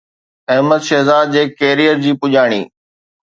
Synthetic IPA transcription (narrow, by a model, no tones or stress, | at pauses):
ɐɦməd̪ʃɐɦzaːd̪̚d͡ʑeːkeːɾijəɾd͡ʑiːpʊʄaːɽ̃ḭː